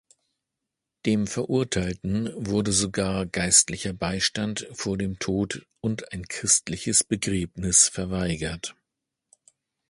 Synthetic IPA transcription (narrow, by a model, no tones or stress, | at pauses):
d̥eːmfɛɐʔʊɐtʰaɪltn̩vʊɐdəzoɡaːɐɡaɪstlɪçɐbaɪʃtantfoːɐdeːmtʰoːt | ʔʊntaɪnkʁ̥ɪstlɪçəsb̥əɡʁɛːpnɪsfɛɐvaɪɡɐt